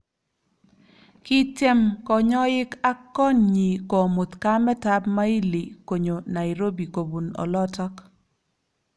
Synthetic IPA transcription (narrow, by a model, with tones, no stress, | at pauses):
kɪ˦tɛ˦mkɔ˨ɲɔ˦ɪ˦ka˦kːɔ˦nɲi˨kɔ˨mo˨t̪ka˦mɛ˦ta˦pma˦i˦li˨ko˨ɲo˨na˨ɪɾo˦bi˨ko˨bu˨nɔ̰˨lɔ˦tɔ˦k